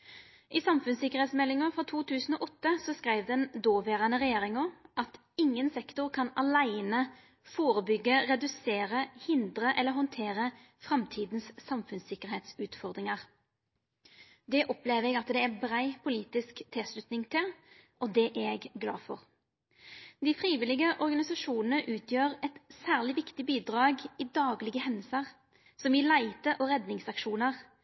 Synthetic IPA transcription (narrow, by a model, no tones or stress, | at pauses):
ʔɪsɑmfʉnsɪkːəʁhɛːt̪smɛlːɪŋəʁfʁɔt̪ʰuːt̪ʰʉːsn̩oːʔɔt̪ːəsɔskʁæɪʋd̪ɛnd̪oːʋeːʁɑnəʁɛjeːɾɪŋɔʔɑt̪ | ɪŋːənsɛkt̪ʊʁkʰɑnɑlæɪnə | foːʁəbʏɡːəɾɛd̪ʉseːʁəhɪnd̪ʁəʔɛlːəɾɦhɔnt̪ʰeːʁə | fʁɑmt̪ʰiːd̪nssɑmfʉnsɪkəʁhɛːt̪sʉːt̪fɔʁd̪ʁɪŋɑʁ | d̪ɛʔɔpleːʋɛɡɑt̪d̪ɛæbʁæɪpʰʊliːt̪ɪskt̪ʰɪslʉt̪nɪŋt̪ʰɪl | ʔɔd̪ɛʔæɡɡlɑ̰ːfɔ̰ʁ | d̪ɪfʁiːʋɪlɪɡəʔɔʁɡɑnɪsɑʂuːnənəʔʉːt̪ʰjøːʁɛt̪sæːʁlɪʋɪkt̪ɪbiːd̪ʁɑːɡiːd̪ɑːɡlɪɡəhɛnːəsəʁ | sɔmɪlæɪt̪əʔɔɾɛd̪nɪŋsɑkʃuːnəʁ